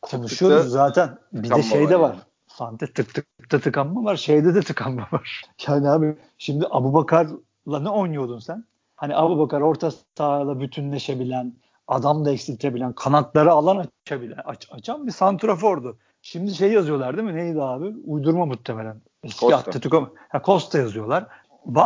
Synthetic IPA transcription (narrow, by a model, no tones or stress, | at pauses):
kʰo̞nuʃujoɾunzaːt̪ʰænbid̪ɛʃejd̪ɛvaɾ̥ | sant̪ʰɛt̪ʰɯkt̪ʰɯɯk̚t̪ʰat̪ʰɯkamːavaɾʃejd̪ɛd̪ɛt̪ʰɯkʰamːavaɾ̥jaːnihaːbi | ʃimd̪iʔabubakʰaɾ | lˠanɛo̞jnujo̞d̪unsæn | haniʔabubakaɾo̞ɾt̪ʰat̪ʰaːlˠabyt̪ʰynlʲe̞ʃe̞bilʲæn | ad̪amlˠaɛcsilʲt̪ʰe̞bilʲænkʰanat̪lˠaɾaːlˠanaabilʲaat͡ʃʰambisant̪ʰɾofo̞ɾd̪ʊ | ʃimd̪iʃ̬ejːjazɯjo̞lˠaɾd̪iminejid̪aːbiujd̪uɾmamut̪ʰːeme̞lʲæn | ɛskiat̪ːat̪ɯka | hakʰo̞st̪ʰːajazɯjo̞lˠaɾ̥ | ba